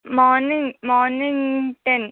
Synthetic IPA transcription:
mɔːnɪŋmɔːnɪŋʈɛn

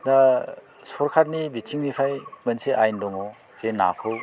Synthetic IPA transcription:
da | sɔɾkʰaɾnibitʰiŋnipʰajmɐnseʔajndɔŋɔ | zena̰kʰɯw

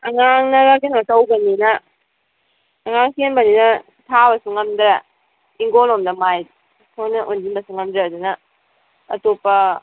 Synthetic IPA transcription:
ɐŋaŋnɐɡakenmɐtɐwbɐninɐ | ŋaŋsenbɐninɐ | tʰabɐsuŋːɐmdɾɐ | iŋɡonomdɐmaj | kʰojnɐʔundinbɐsuŋɐmdɾeːdunɐː | topːɐ

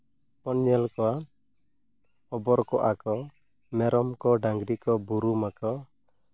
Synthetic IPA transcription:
pɔnɲɛlkɔwa | ɔbɔɾkɔʔakɔ | mɛɾɔmkɔɖaŋɡɾikɔbuɾumakɔ

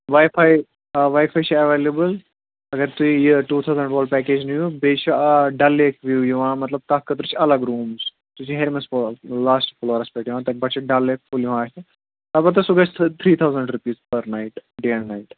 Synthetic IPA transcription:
ʋaːjfʰaːj | ʋaːjfaːjt͡ʃʰiɐʋeːlebɨl | ɐɡɐɾt̪uijiʈuːt̪ʰawzɐɳɖʋoːlpɛːkeːd͡ʒnɐjũbeːt͡ʃʰiɖɐlekʋjuːjuʋãːmɐt̪lɐb̚t̪ɐkːɐt̪ɾut͡ʃʰiɐlɐɡɾuːmz | t̪ut͡ʃʰiɦeɾmɐslaːsʈfloɾɐspeʈjʋãːt̪ɐbɐʈt͡ʃʰiɖɐleːkfuljũʋãːt͡ʃi | ɐbɐt̪̬ɐsuɡɐt͡ʃʰt̪ʰt̪ʰɾiːt̪ʰawzɐɳɖɾupiːzpɐɾnajiʈɖeːɐɳnaːiʈ

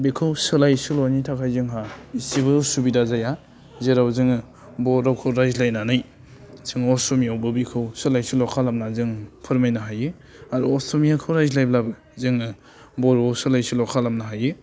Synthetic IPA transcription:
bikʰɯwsɯlajsɯlɔnitʰakʰajzɯŋɦaisibɯsubidazaja | zeɾawzɯŋɯ | bɔɾawkʰɯwɾajzlajnanaj | sʰɯŋɔsɔmiawbɯbikʰɯwsɯlajsulɔkʰalamnazɯŋpʰɯɾmajnaɦajɯ | aɾuɔstomiakʰɯwɾazlajblabɯ | zɯŋɯ | bɔɾasɯlajsulɔkʰalamnaɦajɯ

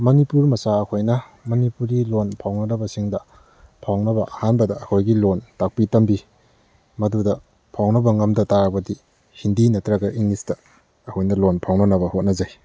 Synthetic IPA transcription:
mɐnipuɾmɐsaɐkʰojnɐ | mɐnipuɾilonpʰawnɐnɐbɐsiŋdɐ | pʰawnɐbɐʔɐhanbɐdɐːkʰojɡilontak̚pitɐmbi | mɐdudɐ | pʰawnɐbɐŋɐmdɐtakbɐdi | hindinɐtɾɐɡɐʔiŋistɐ | ɐkʰojnɐlonpʰawnɐnɐbɐhot̚nɐzaj

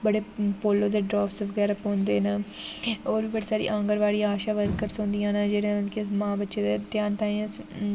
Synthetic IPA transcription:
bəɽeːpoːlːõːd̪eːɖɾaːfsʋəɡɛːɾəpɦõːnd̪eːnaː | oːɾʋiːbəɽiːsaːɾḭːʔãːŋɡəɾʋaːɽiːaːʃaːʋəɾkəɾsɦõːnd̪ijãːnad͡ʒeːɽẽənkemãːbətːʃeːd̪et̪jaːnt̪ãːẽ

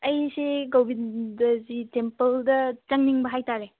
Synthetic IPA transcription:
ɐjseɡowbidɐzitempɐldɐt͡ʃɐŋniŋbɐɦajtaɾe

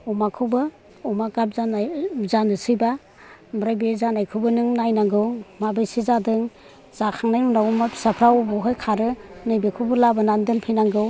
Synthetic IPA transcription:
umakʰɯbɯ | umaɡap̚zanzanɯsɯjba | mɾajbizanajkʰɯbɯnɯŋnajnaŋɡɯwmabajsizadɯŋ | z̥akʰaŋnajnuŋdaumapʰi̥sapʰɾawubɯɦɯjkʰaɾɯnɯjbekʰubɯlabɯnandɯnpʰijnaŋɡɯw

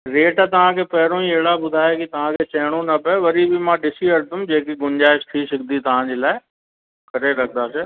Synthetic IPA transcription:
ɾeːʈːt̪ɐʋ̤ãkʰeːpɐɦɪɾõĩɐɦɪɽabʊd̪ʱaːekit̪ɐʋ̤ãkʰeːt͡ɕɐɦɪɽ̃õnɐpɛʋɐɾibɪmãːɗɪsiɐɾd̪ʱʊmd͡ʑeːkiɡʊnd͡ʑaːɪʃt̪ʰiːsɐɡ̚d̪it̪ɐʋ̤ãd͡ʑeːlaːɪ | kɐɾeɾɐkʰənd̪aːseː

